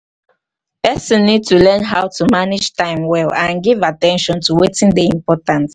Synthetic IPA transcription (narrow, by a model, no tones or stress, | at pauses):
pɛsɔ̃nːid̚tulɛ̃nɦaʊtʰumanid͡ʒtãɪ̃mwɛlãnɡivatɛ̃nʃɔ̃ntuwetĩŋdəĩmpɔtãns